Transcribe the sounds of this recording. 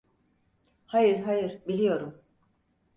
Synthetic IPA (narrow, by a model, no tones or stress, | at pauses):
hajɯɾɦajɯɾbilʲijo̞ɾum